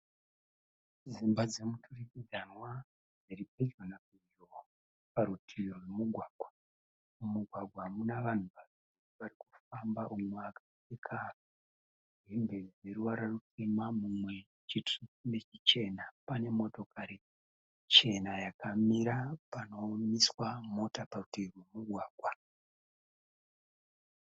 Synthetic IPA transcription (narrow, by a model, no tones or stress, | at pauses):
zimbad͡ze̞mutʰurikid͡zanwa | d͡zeɾip̚ed͡ʒonakiʒo | paɾutʰirowemuɡʱwaːɡ̥ʱwa | umuɡʱwaɡʱwamunaʋan̤uʋaziriʋarikufambaʔumweakḁsekʰa | embe̞zeɾuwaɾarut͡semamumwe̞ | t͡ʃituune̞t͡ʃit͡ʃe̞napane̞mo̞to̞kʰaɾi | t͡ʃe̞najakamiɾapano̞miswamo̞taparutirwemuɡʱwaːɡʱwa